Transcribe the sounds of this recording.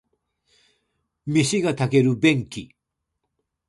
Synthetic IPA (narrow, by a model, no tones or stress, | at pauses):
mʲiɕiɡat̪ake̞ɾɯbẽ̞ŋkʲi